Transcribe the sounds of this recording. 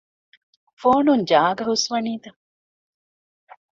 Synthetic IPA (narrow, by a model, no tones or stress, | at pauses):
foːnund͡ʒaːɡɐɦusʋɐniːt̪ɐ